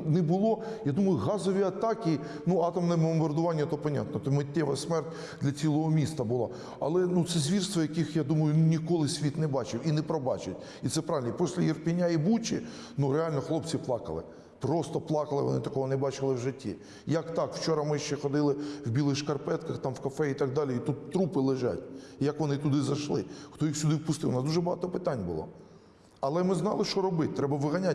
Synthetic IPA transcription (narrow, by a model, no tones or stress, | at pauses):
nɛbʊlˠɔjad̪umɐjʊɦɑzɔʋʲiɐt̪ɑkʲi | nuɑt̪ɐmnɛɛbɔmbɐrd̪ʊʋɑnʲːɐt̪ɔpɐnʲa̰t̪nɔt̪ɔmɪtʲːɛʋɐ̰sʲmɛrtʲ | d̪lʲɐt͡sʲilˠɔɦɔmʲist̪ɐbʊlˠɑ | ɐ̰lˠɛnut̪sɛzʲʋʲirst̪ʋɔjɐkɪxjad̪umɐjʊnnʲikɔlˠɪsʲʋʲit̪nɛbɑt͡ʃɪwinɛpɾɔbɑ̰t͡ʃɪtʲ | it̪sɛpɾɑʋɪlʲnpɔsʲlʲɐjirpʲɪnʲaibut͡ʃɪ | nuɾeɑlʲnɔxlˠɔpt͡sʲiplˠɑkɐ̰lˠɪ̰ | pɾɔst̪ɔplˠɑkɐlˠɪʋɔ̰nɪt̪ɐkɔɦɔnɛbɑt͡ʃɪlˠɪwʒɪtʲːḭ | jɐkt̪ɑkwt͡ʃɔɾɐmɪʃt͡ʃɛxɔd̪ɪlˠɪwbʲilˠɪxʃkɐrpɛt̪kɐxt̪ɑmwkɐfɛit̪ɐɡ̚d̪ɑlʲijit̪ut̪ːɾupɪlˠɪʒɑ̰tʲjɐkʋɔnɪt̪ʊd̪ɪzɐʃlˠɪxt̪ɔjixsʲʊd̪ɪwpʊst̪ɪwʊnɑsd̪uʒɛbɐɦɑ̰t̪ɔpɪt̪ɑnʲbʊ̰lˠɔ̰ | ɐlˠɛmɪznɑ̰lˠɪʃt͡ʃɔɾɔbɪt̚ʲt̪ɾɛbɐʋɪɦɐnʲa